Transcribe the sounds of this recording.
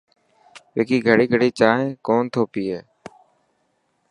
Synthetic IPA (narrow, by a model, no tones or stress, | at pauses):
ʋeːkiːɡʱəɽiːɡʱəɽiːt͡ʃaːɦẽːkoːnt̪ʰoːpiːɦeː